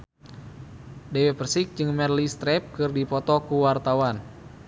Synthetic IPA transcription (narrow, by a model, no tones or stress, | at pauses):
dɛwepərsik̚d͡ʒɨŋmɛrlist̪ɾɛp̚kɨrdipɔt̪ɔkuwart̪awan